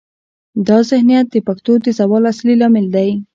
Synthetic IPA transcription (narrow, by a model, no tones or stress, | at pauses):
d̪ɑzɪhnijat̪̚d̪əpakt̪od̪əzawɑlaslilɑmɪld̪aj